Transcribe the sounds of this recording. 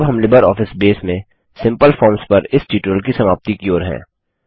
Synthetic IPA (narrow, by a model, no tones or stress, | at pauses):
bɦɐmlɪbəɾɔːfɪsbeːsmẽ | sɪ̃mpəlfʰɔːɾmspɐɾɪsʈiːʈɾəlkisɐmaːp̚t̪ikioːɾɦɛ̰̃ː